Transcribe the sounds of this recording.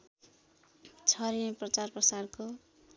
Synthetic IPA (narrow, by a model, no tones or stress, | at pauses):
t͡sʰʌɾiʌ̃prʌt͡sarprʌsarko